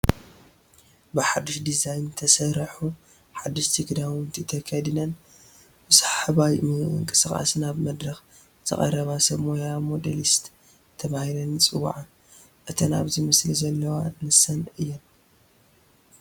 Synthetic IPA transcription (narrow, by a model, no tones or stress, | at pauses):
bɨħad̪ːɨʃd̪izajnt̪ʰɐsɐɾħu | ħad̪ːɨʃt̪ʰikd̪awunt̪ʰit̪ʰɐkʰːajd̪inɐn | bɨsħaβajɨŋkʼɨsɨxʼa̰sɨnaβmɐd̪ɾɐx | t̪ʰɨ̰χʼɐ̰rɐβasɐβmojamod̪ɐlist̪ | t̪ʰːɐβahilɐnɨt͡sʼɨwːa̰ʕan | ʔɨt̪ʰɐna̰βzɨmɨslizɐlːɐwanɨsɐnɨjːɛn